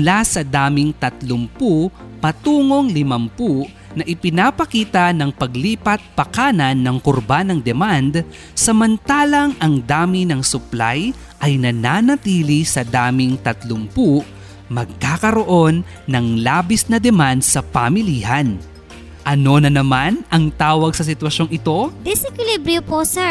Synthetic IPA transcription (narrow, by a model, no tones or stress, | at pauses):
lasɐd̪aːmɪŋt̪ɐt̪lompu | pɐt̪uːŋo̞ŋlɪmɐmpuʔ | nɐʔɪpɪnaːpɐkiːt̪ɐnɐŋpɐɡliːpɐt̪̚pɐkaːnɐnːɐŋkʊɾbanɐŋd̪ɛmand̪ | sɐmɐnt̪aːlɐŋʔɐŋd̪aːminɐŋsʊplaj | ʔɐjnɐnanɐt̪iːlisɐd̪aːmɪŋt̪ɐt̪lʊmpuʔ | mɐɡ̚kaːkɐɾo̞ʔo̞nː | ɐŋlaːbisnɐd̪ɛmand̪sɐpamɪlihɐn | ʔɐno̞nɐnɐmanʔɐŋt̪aːwɐɡsɐsɪt̪wɐʃo̞ŋɪt̪o̞d̪ɪsɛkɪlibɾjoposɛ